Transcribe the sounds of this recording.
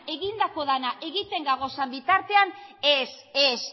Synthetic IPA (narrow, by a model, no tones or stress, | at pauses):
e̞ɣind̪ako̞ðanaʔe̞ɣit̪e̞ŋɡaɣ̞o̞sambit̪aɾt̪e̞aneses